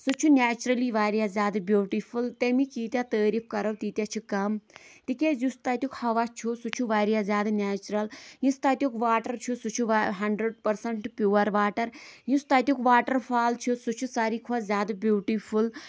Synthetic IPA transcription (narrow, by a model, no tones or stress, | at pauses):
sut͡ʃʰunʲaːt͡ʃuɾɐliʋaːɾjazʲjaːd̪ɨbjuːʈipʰult̪emĩkiːt̪jat̪əːɾipʰkɐɾɐwt̪iːt̪ʲjat͡ʃʰukɐmt̪ikʲezust̪at̪ʲjukhɐʋat͡ʃʰusut͡ʃʰuʋaːɾjazʲjaːd̪ɨnʲaːt͡ʃuɾɐljĩst̪aːt̪ʲjukʋaːʈɐɾt͡ʃʰusut͡ʃʰuʋaɦɐɳɖɾeɖ̚pɐɾsɐɳʈpjuːʋɐɾʋaːʈɐɾjũst̪aːt̪ʲjukʋaːʈɐɾpʰaːlt͡ʃʰusut͡ʃʰusaːɾikʰuazʲjaːd̪ɨbjuːʈipʰul